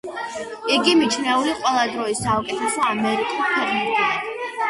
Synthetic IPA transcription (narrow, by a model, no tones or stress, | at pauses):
iɡimit͡ʃʰnɛuliqʼwɛlˠad̪ɾɔisaukʼɛt̪ʰɛsɔamɛɾit̪ʰupʰwɛqʼnib̪ia